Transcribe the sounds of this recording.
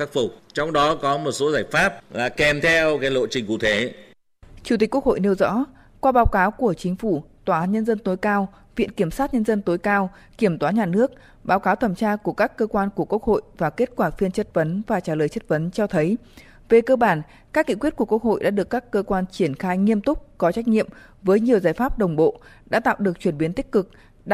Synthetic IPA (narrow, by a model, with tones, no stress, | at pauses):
xa˦˥k̚fʊ˨˩k͡p̚t͡ɕɔ˧wŋ͡mɗɔ˨˦kɔ˨˦mo˨˩t̚so˨˦zaː˧˩jfaː˦˥p̚la̰ː˧˨˩kɛ˨˩mt̪ʰɛ˧wkaː˨˦jlo̰˧˨t͡ɕï˨˩ŋ̟kṵ˧˩t̪ʰe˨˦ | t͡ɕu˧˩t̪i̟˨˩ku˦˥ək̚ho̰˧˨jne˧əwzɔ̰˧˥ | kwaː˧ɓaː˨˦wkaː˨˦wku˧˩ət͡ɕï˨˦ŋ̟fu˧˩t̪waː˧˩aː˨˦nɲə˧nzə˧nt̪o˨˦jkaː˧w | vḭ˧˨ənki˧˩əmsaː˦˥t̚ɲə˧nzə˧nt̪o˨˦jkaː˧w | ki˧˩əmt̪waː˨˦ɲaː˨˩nɨ˦˥ək̚ | ɓaː˨˦wkaː˨˦wt̪ʰə˧˩mt͡ɕaː˧ku˧˩əkaː˦˥kːəː˧kwaː˧nku˧˩əku˦˥ək̚ho̰˧˨jvaː˨˩ke˦˥t̚kwaː˧˩fi˧ənt͡ɕə˦˥t̚və˨˦nvaː˨˩t͡ɕaː˧˩ləː˨˩jt͡ɕə˦˥t̚və˨˦nt͡ɕɔ˧t̪ʰə˨˦j | ve˨˩kəː˧ɓaː˧˩n | kaː˦˥k̚ŋḭ˧˨kwt̚ku˧˩əkwək̚ho̰˧˨jɗa̰ː˧˥ɗɨ˨˩əkːaː˦˥kːəː˧kwaː˧nt͡ɕi˧˩ənxaː˧jŋi˧əmt̪ʊ˦˥k͡p̚kɔ˨˦t͡ɕa˦˥k̟̚ɲḭ˧˨əm | vəː˨˦jɲi˨˩əwzaː˧˩jfaː˦˥p̚ɗə˨˩wŋ͡mɓo̰˧˨ɗa̰ː˧˥t̪a̰ː˧˨wɗɨ˨˩ək̚t͡ɕwi˧˩ənɓi˨˦ənt̪ï˦˥k̟̚kɨ˨˩k̚ | ɗ